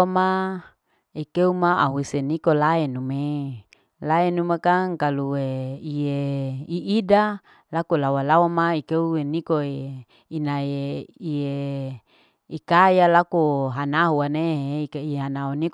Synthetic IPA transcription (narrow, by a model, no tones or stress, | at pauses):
ma | ikeumaaɦwisenikolaɛnume | laɛnumakaŋkaluweieiʔida | lakolawalawamaikeueniko | inaeie | ikajalakoɦanaɦuaneɦeikaiɦanaɦunik